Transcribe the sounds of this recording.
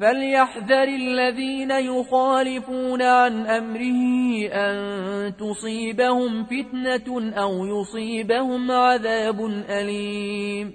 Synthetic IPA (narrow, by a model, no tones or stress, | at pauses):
faljaħðɑɾɪlːaðiːnajʊxaːlɪfuːnaʕanʔamɾɪhɪʔant̪ʊsˤiːbahʊmfɪt̪naʔawjʊsˤiːbahʊmʕaðaːbʊnʔaliːm